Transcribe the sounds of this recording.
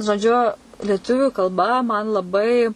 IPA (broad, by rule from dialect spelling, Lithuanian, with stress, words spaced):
ʒoːˈd͡ʒʲʊ lʲiɛˈtʊʋʲʊ kɐlˠˈbɐ mɐn lˠɐˈbɐɪ